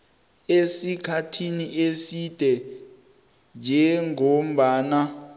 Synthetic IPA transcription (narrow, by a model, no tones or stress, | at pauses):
esikʰatʰiniʔesid̥ʱɛ | nd͡ʒʱɛŋom̩ɓaːna